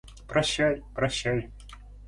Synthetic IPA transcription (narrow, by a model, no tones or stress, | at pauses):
pɾɐɕːajpɾɐɕːaj